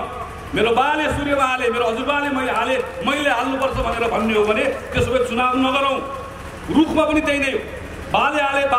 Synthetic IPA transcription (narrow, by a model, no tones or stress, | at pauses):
meɾobalesurjʌmaɦalemeɾoɦʌd͡zurbalemʌileɦalemʌjleɦalnupʌrt͡sʰʌbʱʌneɾʌbʱʌnːeɦobʱʌnet̪esobʌt͡sunabnnʌɡʌɾãw̃ | rukʰmapʌnit̪ejnʌj | baleɦaleb